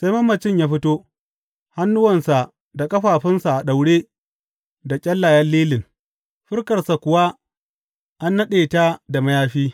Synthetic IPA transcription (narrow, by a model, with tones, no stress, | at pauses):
sa˦jmɐ˦mːɐ˨t͡ʃɪ˦˨ɲjaː˦ɸɪ˦toː˦ | ha˦nːʊ˦wɐ˨nsa˨ | da˨kʼɐ˦ɸaː˨ɸɪ˦nsa˨ʔa˨ɗa˨wɽeː˦ | da˨kʲʼɐ˦lːa˨jɐ˦lːiː˦lɪ˨ŋ | ɸɪ˦rkɐ˨rsa˨kʷʊ˨wa˦ | ʔa˦nːɐ˦ɗeː˨ta˦da˨mɐ˦jaː˦ɸiː˦